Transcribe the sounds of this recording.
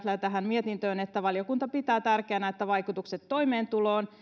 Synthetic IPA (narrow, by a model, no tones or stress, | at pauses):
t̪læt̪æɦænmiet̪int̪øːnet̪ːæʋɑlijokunt̪ɑpit̪æːt̪ærkeænæet̪ːæʋɑjkut̪ukset̪ːo̞jme̞ːnt̪ulo̞ːn